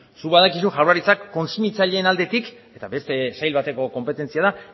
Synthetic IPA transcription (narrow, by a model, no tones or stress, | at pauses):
suβaðakisuʝawraɾit͡sakːo̞nsumit͡saʎe̞ːnald̪e̞t̪iket̪aβe̞st̪e̞sajlβat̪e̞ko̞ko̞mpe̞t̪e̞nt͡siað̞a